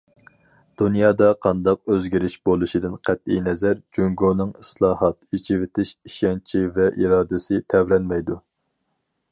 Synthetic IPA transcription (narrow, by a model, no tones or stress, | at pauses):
d̪̥unjɑːd̪ɑqʰɑnd̪ɑq̚øzɡʲiɾɪʃbolˠuʃid̪ɪnqʰæt̪inɛzæɾd͡ʒyŋɡonɨŋɨslˠɑːhɑt̪it͡ʃʰivɪt̪ʰɪʃiʃɑnt͡ʃʰivɛʔiɾɑːd̪ɨsɪt̪ʰɛvɾɛnmɛjd̪u